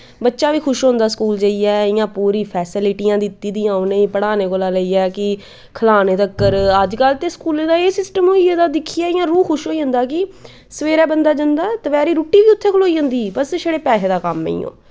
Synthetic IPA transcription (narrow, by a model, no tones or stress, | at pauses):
bətːʃãːʋiːkʰʊʃɦõnd̪aːskuːld͡ʒəiɛːɪjãːpuːɾĩːpʰɛːsɪlɪʈiːjãːd̪ɪt̪ːiːd̪iːãːonẽːiːpəɽaːneːkoːlaːləiːɛːkɪ | kʰəlaːneːt̪əkːəɾəd͡ʒkəlt̪eːskuːlẽːd̪aːeːsɪsʈəmɦoːied̪aːd̪ɪkʰːijaːɪjãːɾuːxʊʃɦoːiːɦʊ̃nd̪aːkɪ | səʋeːɾɛːbənd̪aːd͡ʒənd̪aːt̪əʋɛːɾiːɾoːʈːiːʋiːʊt̪ʰːeːkʰloːiːɦə̃nd̪iːbəsʃəɽeːpɛːseːd̪aːkəmːḛḭ̃ːõ̰ː